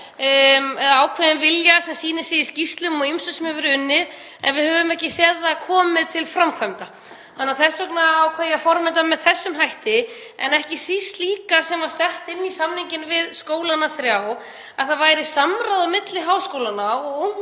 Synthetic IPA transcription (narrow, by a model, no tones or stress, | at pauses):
ɛaːwkʰvɛðɪnvɪljasɛmsiːnɪsɪjɪscist̪lʏmɔɣimsʏsmɛvʏɾʏnːɪð | ɛ̰nvɪðhœvʏmɛhcɪsɛðakʰɔːmɪðt̪ʰɪlfɾamkʰvœmt̪a | hanːaɾθɛsvœknaawkʰvɛjafɔɾmɪnt̪amɛðθɛsːʏmɦajht̪ɪ | ɛ̰nɛhcɪsist̪liːkasɛmvaɾ̥sɛht̪ɪnːisamniɲcɪnvɪðskoːwlanaθɾjaw | aðθaðvajɾɪsamɾaðʏmɪt̪lɪɦaːwskoːwlanaɔɣo